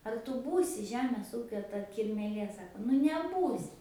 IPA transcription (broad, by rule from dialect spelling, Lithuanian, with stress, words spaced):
ɐr tʊ ˈbuːsʲɪ ˈʒʲæːmʲeːs ˈuːkʲoː tɐ kʲɪrʲmʲeːˈlʲeː ˈsɑːkoː nʊ nʲɛˈbuːsʲɪ